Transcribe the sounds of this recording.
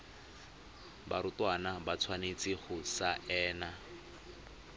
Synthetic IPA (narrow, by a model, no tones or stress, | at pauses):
baɾʊtwanabat͡sʰwanet͡sɪχʊsaʔɛːna